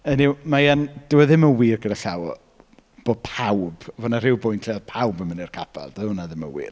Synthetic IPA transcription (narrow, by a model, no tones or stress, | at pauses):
əniwmajand̥əwɛðɪməwiːrɡədaɬawɔ̰ | b̥oːd̚pʰawb̥ɔvɔnar̥ɪwbʊjntʰleaðpʰawbəmənɛrkʰapʰa̰lˠdəʊnaðɪmə̰wḭːr